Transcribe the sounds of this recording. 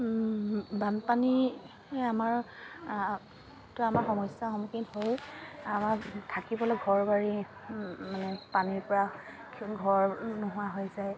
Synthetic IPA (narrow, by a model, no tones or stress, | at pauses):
banpani | amaɹ | tʊamaɹxɔmɔjsjaxɔmukithojamaɹtʰakibɔlɔjɡʱɔɹbaɹi | manɛpaniɹpɔɹa | ɡʱɔɹnʊɦʊaɦojzaj